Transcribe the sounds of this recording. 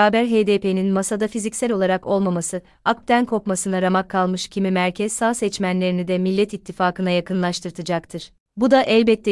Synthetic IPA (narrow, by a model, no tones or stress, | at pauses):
aːbæɾɦed̪eːpʰe̞ninmasad̪afizicsælʲo̞lˠaɾako̞lˠmamasɯ | ak̚t̪ʰænkʰo̞pmasɯnaɾamakʰːalˠmɯʃcʰimimæɾcʰɛzsaːsɛt͡ʃmænlʲe̞ɾinid̪ɛmilʲːɛt̪it̪ʰːifaːkɯnajakʰɯnlˠaʃt̪ʰɯɾt̪ʰɯd͡ʒakt̪ʰɯɾ̥ | bud̪aʔɛlʲbɛt̪ʰːɛ